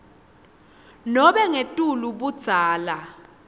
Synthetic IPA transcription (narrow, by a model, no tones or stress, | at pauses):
nɔɓɛŋetʼuluɓud̥z̥ʱaːla